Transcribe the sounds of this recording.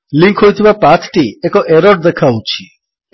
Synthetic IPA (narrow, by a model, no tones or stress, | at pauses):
liŋkʰɦojt̪ʰibapat̪ʰʈiekɔʔeɾɔʈd̪ekʰawt͡ʃʰi̥